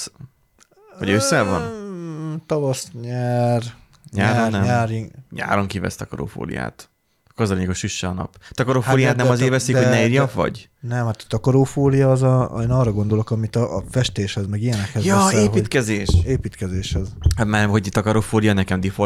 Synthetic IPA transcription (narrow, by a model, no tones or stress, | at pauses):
ho̰ɟøsːɛvɒ̰n | t̪ɒvɒsɲɛr | ɲaːɾonːɛmɲaːɾiɲa̰ːɾoŋkivɛ̰st̪ɒkɒɾo̰fo̰ːlḭja̰ːt̪ | køzɒleːɲɛɡoʃyʃːɛɒnɒ̰pt̪ɒkɒɾofoːlijaːt̪nɛmɒzeːɾvɛsikhoɟnɛiːɾjɒʋɒ̰ɟ | nɛmhat̪ɒ̥t̪ɒkɒɾoːfoːlijɒːzɒeːnɒːrɒɡo̞nd̪olo̞kɒmit̪ɒfɛʃt̪eːʃhɛzmɛɡijɛnɛkhɛzjɒeːɦiːt̪kɛzeːʃeːpiːt̪kɛzeːʃhɛztmaɦo̞ɟt̪ːɒkɒɾoːfoːlijɒnɛkɛmd̪ifo